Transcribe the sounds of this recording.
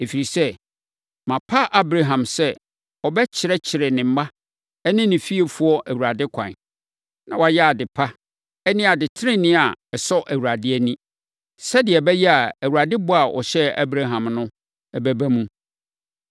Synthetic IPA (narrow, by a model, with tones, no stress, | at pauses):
e˨fi˨ɾi˨sɛ˦ | mã˨pʰa˦ʔa˦bɾa˨ɦã˨msɛ˦ | ɔ˨bɛ˦t͡ɕʰɪ˨ɾɛ˦t͡ɕʰɪ˨ɾɛ˨nɪ̃˨m̩˦ma˦ | ɛ˦nɪ̃˦nɪ̃˨fi˦e˨fʊ˦ɔ˦ʔæ˨wu˨ɾa˨dɪ˦kʷʰã̰˨n˨ | nã˨wa˨jɛ˦a˨dɪ˨pʰa˦ | ɛ˦nɪ̃˦a˨dɪ˨tʰɪ˦ɾɪ̃˦nɪ̃˦a˨ɛ˨sɔ˦ʔæ˨wu˨ɾa˨dɪ˦æ˦˨nĩ˦ | sɛ˦dɪ˨ɛ˨bɛ˦jɛ˦a˨æ˨wu˨ɾa˨dɪ˦bʊ˦a˨ʔɔ̰˨ɕɛ˦a̰˦bɾa˦ɦã˨mnʊ̃˦ | ɛ˨bæ˦bæ˦mũ˦